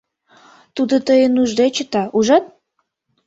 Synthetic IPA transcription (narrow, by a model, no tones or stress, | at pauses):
t̪ud̪ot̪əjənuʒd̪et͡ɕət̪ɑuʒɑt̪̚